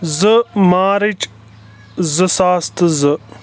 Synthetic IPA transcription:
zəmaːɾit͡ʃ | zəsaːst̪ɨzə

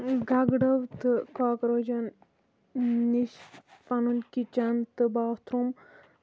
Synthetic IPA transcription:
ɡɐɡɖɐʋt̪ɨkaːkɾod͡ʒɐn | niʃpɐnunkit͡ʃɐnt̪ɨbaːt̪ɾum

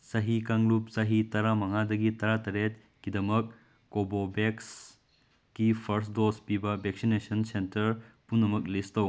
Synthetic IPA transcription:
sɐɦikaŋlup̚sɐɦitɐɾamɐŋadɐɡitɐɾatɐɾet̚ | kidɐmɐk̚ː | obobeks | kipʰɐɾsdospibɐbʱeksinesɐnsentɐɾpunːɐmɐklistɐw

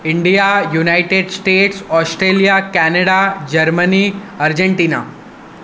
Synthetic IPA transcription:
iɳɖijajunajʈeɖsʈeʈsɔsʈɾelijakænəɽad͡ʑəɾməniəɾd͡ʑeɳʈiːna̰

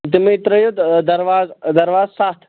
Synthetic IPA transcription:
t̪̬imẽit̪ɾɐjod̪d̪ɐɾʋaːzd̪ɐɾʋaːzsaːt̪ʰ

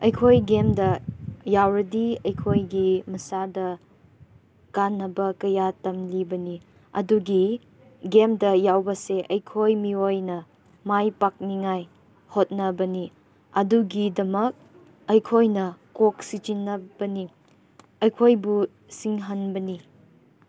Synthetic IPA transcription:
ɐjkʰojɡemdɐjawɾɐdiɐjkʰojɡimɐsadɐ | kanːɐbɐkɐjatɐmlibɐni | ɐ̰duɡi | ɡemdɐjawbɐseʔɐjkʰojmiojnɐ | majpak̚niŋaj | hot̚nɐbɐni | ɐduɡidɐmɐk̚ | ɐjkʰojnɐkok̚sit͡ʃinːɐb̥ɐni | ɐjkʰojbu | siŋɦɐnbɐni

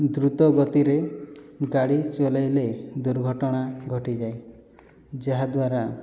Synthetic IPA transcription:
d̪ɾut̪ɔɡɔt̪iɾeɡaɽit͡ʃɔlajled̪uɾɡʱɔʈɔɽ̃aɡʱɔʈid͡ʒaj | d͡ʒaɦad̪waɾa

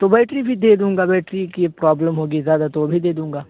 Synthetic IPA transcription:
t̪obɛːʈɾibʱid̪eːd̪ũːŋɡaːbɛːʈɾikipɾɔːbləmɦoːɡizjaːd̪at̪obʱid̪eːd̪ũːŋɡaː

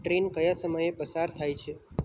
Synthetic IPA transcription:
ʈɾenkəjasəməjepəsaɾt̪ʰajt͡ʃʰe

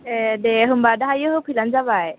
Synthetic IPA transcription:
edeɦɯmbadaɦajɯɦɯpʰilanzabaj

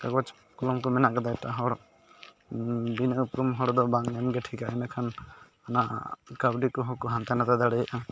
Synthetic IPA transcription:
kaɡwat͡ʃ | kɔlɔmkɔmɛnaʔkad̪ajʈaɦɔɽ | binʔupɾɔmɦɔɽɔd̪ɔbaŋɛmɡɛʈʰikaɛnakʰan | anaʔkabɖikɔɦɔkɔɦant̪anat̪ad̪aɽɛjʔa

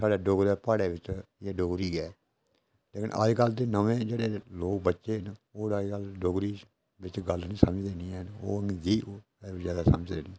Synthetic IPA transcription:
saːɖeːɖoɡɾɛːpaːɽeːʋɪt͡ʃːɛːɖoɡɾiːɛː | leːkɪnʔə̰d͡ʒkəlt̪eːnəʋẽːd͡ʒeːɽeːloːk̚bətːʃeːnoːɾəd͡ʒkəlɖoɡɾiː | bɪt͡ʃɡəlnĩːsəməd͡ʒd̪eːniːɛːnoːəŋɡɡiːo | zjaːd̪aːsəməd͡ʒd̪eːniː

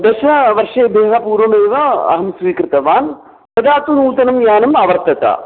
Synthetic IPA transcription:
d̪ɐʂɐnɐʋɐɾʂeːbʱeːɦɐpuːɾʋɐmeːʋɐɐ̰ɦɐmsʋiːkɾɪt̪ɐʋaːn | pɐd̪aːt̪unuːt̪ɐnɐmjaːnɐmɐʋɐɾt̪ɐt̪ɐ̰

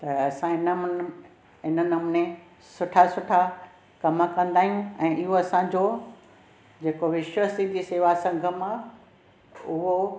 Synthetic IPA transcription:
t̪ɐɐsãɪnəm | ɪnənɐmnẽ | sʊʈʰasʊʈʰa | kɐməkɐ̃nd̪aːɦijũɛ̃ːʔɪɦoɐsãd͡ʑoː | d͡ʑeːkoʋɪʃʋəsid̪ʱiseːʋasɐ̃ŋɡʱə̆mã | ʊɦo

